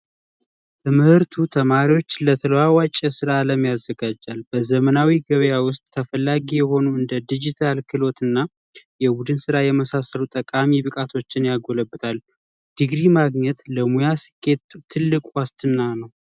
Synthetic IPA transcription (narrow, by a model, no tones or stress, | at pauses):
t̪ʰəmɨhɨɾt̪ʰut̪ʰəmaɾiwo̞t͡ʃːlət̪ʰələwawat͡ʃʼːɛsɨɾaːləmjazːəɡad͡ʒːalbəzəmənawiɡəβjawʊst̪ʼːʰəfəlːaɡijɛho̞nuɨnd̪əd̪id͡ʒit̪ʰalkʰɨlo̞t̪ɨnːa | jɛbud̪ɨnsɨɾajɛməsasəlut̪ʼəkʼamiβɨkʼat̪ʰo̞t͡ʃːɪnjaɡo̞ləbɨt̪ʼʰal | d̪̥ɨɡɾimaɡɲɛt̪ləmujasɨ̥kʰːe̞t̪ʰːɨlːɨkʼuwast̪ʰɨnːanəw